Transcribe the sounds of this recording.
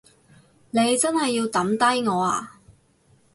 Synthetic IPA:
ne˨˧jt͡sɐ˥nhɦɐ˨jːiː˧wt̪ɐ˨˥mt̪ɐ˥jŋɔː˨˧a̰ː˧

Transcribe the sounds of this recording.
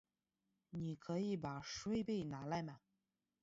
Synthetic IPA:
ni˨˩kʰɤ˧˥i˧˥p̬a˨˩ʂwe˥ɪpe˥˩ɪna˧˥la˧˥ɪma˨˩

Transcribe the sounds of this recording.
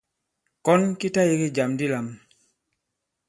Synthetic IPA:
kɔ˦nki˦ta˦ji˨ki˦d͡ʒa˨mdi˦la˨m

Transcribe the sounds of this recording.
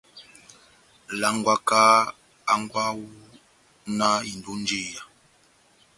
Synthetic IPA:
la˦ŋɡwa˦ka˦ | a˦ŋɡwa˦wu˦ | na˦i˨ndu˦nd͡ʒi˦˨ja˨

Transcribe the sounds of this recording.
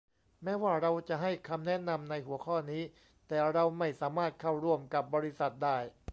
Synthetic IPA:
mɛː˦˥waː˥˩ɾa˧wt͡ɕa˨˩ʔɦa˥˩jkʰa˧mnɛ˦˥na˧mna˧jhu˨˩˦əkʰɔː˥˩niː˦˥ | t̪ɛː˨˩ɾa˧wma˥˩jsaː˩˦maː˥˩t̪̚kʰa˥˩wɾu˧˩əmka˨˩p̚bɔː˧ɾi˦˥sa˨˩t̪̚daː˥˩j

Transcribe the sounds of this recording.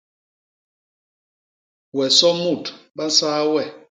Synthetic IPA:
wɛ˨sɔ˦mu˦˨tɓa˦n˦saː˦wɛ˦˨

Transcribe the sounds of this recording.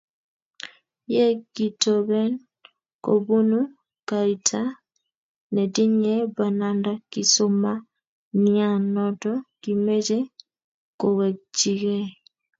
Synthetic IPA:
jɛ˦ɡi˨tɔ˨βɛ˦n | ko̰˨bu˦nu˦ | ka˨i˨tʰa˦ | nɛ˨di˦ɲɛ˦ba˨na˨nda˦ki˨so˦ma˦ | nia˦˨nɔtɔ˦ki˨me˦d͡ʒe˦ | ko˨wɛ˨d͡ʒi˨ɣɛ˦

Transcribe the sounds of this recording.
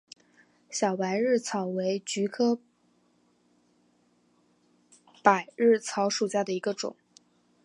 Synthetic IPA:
ɕjɑ˨˩ʊpa˧˥ɪɻɻ̩˥˩t͡sʰɑ˨˩ʊwe˧˥ɪt͡ɕy˧˥kʰɤ˥ | pa˨˩ɪɻɻ̩˥˩t͡sʰɑ˧˥ʊʂu˨˩ɕja˥˩d̪ə˩i˧˥ɡə˧ʈ͡ʂʊ̰˨˩˦ŋ

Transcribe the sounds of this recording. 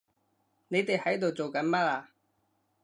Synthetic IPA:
ne˨˧jt̪e˨jhɐ˨˥jt̪o˨wt͡so˨wkɐ˨˥nmɐ˥t̚aː˧

